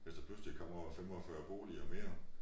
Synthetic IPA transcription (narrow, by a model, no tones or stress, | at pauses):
eld̥ɐpʰlusli̥kʰɒ̽m̰ɒfemɒfɶɐb̥o̝̰ːliɒme̝ːɐ